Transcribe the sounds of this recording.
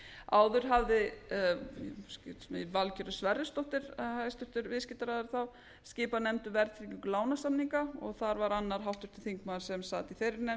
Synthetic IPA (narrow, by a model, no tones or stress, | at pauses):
a̰ːwðʏɾ̥ɦavðɪ | sc̪ːsmɛvalcœɾʏsvɛɾðɪst̪ɔht̪ɪɾ̥hajst̪ʏht̪ʏɾvɪðscɪt̪aɾaðaɾθaw | scɪːpanɛmt̪ʏvɛɾt̪ʰɾicʏŋklaːwnasamniŋkaɔɣθaɾvaɾanːaɾ̥ɦawht̪ʏ̥ɾ̥t̪ʰɪlθiŋkmaːðɪɾ̥sɛmsaːt̪iθfejɾɪɾne